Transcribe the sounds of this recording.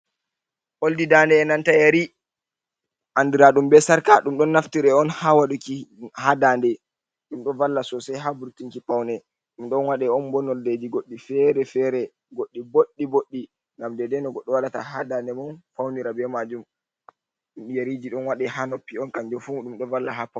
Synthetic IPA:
ʔoldidandɛːnantajaɾi | ʔandiɾaɗumbɛsaɾkaɗumɗɔnːaftiɾɛɔnhawaɗukihadandɛ | ɗumɗɔvalːasɔsajɦabuɾtiŋkipawnɛ | ɗumɗɔnwaɗɛɔnbɔnɔlded͡ʒiɡoɗːifɛɾɛfɛɾɛ | ɡoɗːiboɗːiboɗːi | ŋɡamdɛdɛnɔɡɔɗːɔwaɗatahadandɛmɔnfawniɾabɛmad͡ʒum | ɗumɗjaɾid͡ʒiɗɔnwaɗɛhanopːiɔnkaɲd͡ʒɔfuɗumɗɔvalːaɦapa

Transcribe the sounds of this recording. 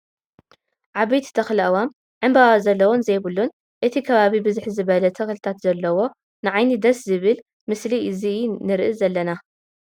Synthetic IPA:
ʕaβɐjt̪t̪ʰɐxlʔɐwam | ʕɨmbawazɐlːɐwonzɐjβɨlːun | ʔɨt̪ʰikʰɐβaβibɨzɨħzɨβɐlɐt̪ʰɐxlɨt̪ʰat̪zɐlːɐwo̞ | nɨʕajnid̪ɐszɨβɨl | mɨsliʔɨzinɨɾʔɨzɐlːɐna

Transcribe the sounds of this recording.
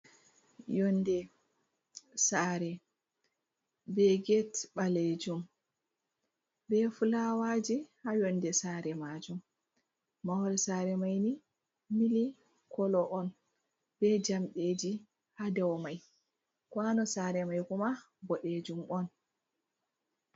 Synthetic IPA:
jɔndɛ | saːɾɛ | bɛɡɛtɓaled͡ʒum | bɛfulawad͡ʒihajɔndɛsaɾɛmad͡ʒum | mawɾɛsaɾɛmajni | mili | kʰɔlɔʔɔn | b̥ɛd͡ʒamɗed͡ʒi | hadɛwmaj | kwanɔsaɾɛmajkuma | bɔɗed͡ʒumɔn

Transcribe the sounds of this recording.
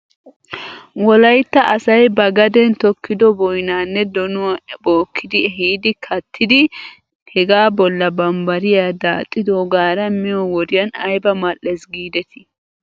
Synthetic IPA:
wɔlɐjt̪ːɐʔɐsɐjbɐɡɐd̪ɛnt̪ɔkːɪd̪ɔbɔjnaːnːɛd̪ɔnʊboːkʰːɪd̪ɪɦiːd̪ɪkʰɐt̪ʰːɪd̪ɪ | hɛɡaːbɔlːɐbɐmbɐɾɪjaːd̪aːt̪ʼːɪd̪oɡaːɾɐmɪjɔwɔd̪ɪjɐnɐjbɐmɐlɛsɡiːd̪ɛt̪ɪ̥

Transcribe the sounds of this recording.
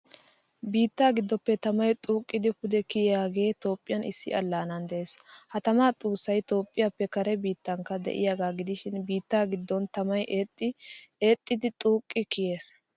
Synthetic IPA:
biːt̪ːaːɡɪd̪ːɔpːɛt̪ɐmɐjt̪ʼuːkʼːɪd̪ɪpʊd̪ɛkɪjjaːɡe̞ːt̪o̞ːpʼːɪjɐnɪ̰sːɪ̰ɐlːaːnɐnd̪ɛʔeːshɐt̪ɐmaːt̪ʼuːsːɐjt̪o̞ːpʼːɪjapːɛkɐɾɛbiːt̪ːɐŋkːɐd̪ɛ̰ʔɪ̰jaːɡaːɡɪd̪ɪʃɪnbiːt̪ːaːɡɪd̪ːɔnt̪ɐmɐjʔt̪ːɪeːt̪ʼːɪd̪ɪt̪ʼuːkʼːɪkɪje̞ːs

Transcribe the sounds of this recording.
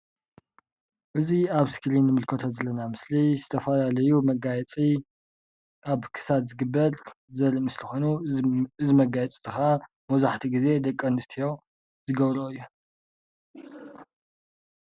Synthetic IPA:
ʔɨziaβsklinːɨmɨlkʰɐt̪ʰozɐlːɐnamɨslizɨt̪ʰɐfɐlalɐjumɐɡajɛt͡sʼi | ʔaβkʰɨ̥sad̪zɨɡɨbːɐɾ | zɐɾimɨslixonuɨzimɐɡajɛt͡sʼizɨxa | mɐwzaħt̪ʰiɡize̞d̪ɐkʼːɐnɨst̪ʰijo̞ | zɨɡɐβɾoɨjːu

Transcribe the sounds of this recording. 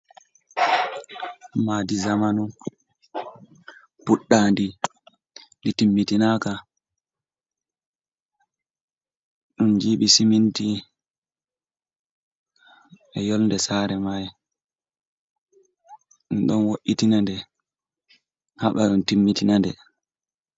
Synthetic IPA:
madizamanu | puɗːaːndi | nditimːitinaka | ɗund͡ʒiːɓisiminti | ɛjɔlndɛsaːɾɛmaj | nɗɔnwoʔitinandɛ | haɓaɗɔntimːitinandɛ

